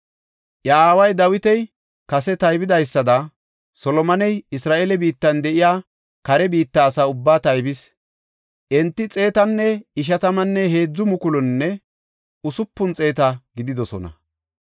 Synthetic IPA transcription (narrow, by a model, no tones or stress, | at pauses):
ʔjaːwɐjd̪ɐwɪt̪ɛj | kɐsɛt̪ɐjbɪd̪ɐjsːɐd̪ɐ | sɔlɔmɐnɛjɪsɾaːʔelɛbiːt̪ːɐnd̪ɛʔɪjaː | kɐɾɛbiːt̪ːɐːsaːʊbːaːt̪ɐjbɪs | ʔɛnt̪ːɪt͡sʼe̞ːt̪ɐnːɛɪʃ̬ɐt̪ɐmɐnːɛhe̞ːd͡zːʊmʊkʊlɔnːɛ | ʊsʊpːʊnt͡sʼe̞ːt̪ɐɡɪd̪ɪd̪ɔsɔ̰nɐ̰